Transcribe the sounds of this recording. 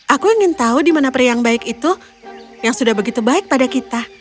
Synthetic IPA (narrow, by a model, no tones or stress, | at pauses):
ʔakuiŋɪnt̪audimanapərjaŋbaɪkit̪u | jaŋsudahbəɡit̪ubaɪk̚padakit̪a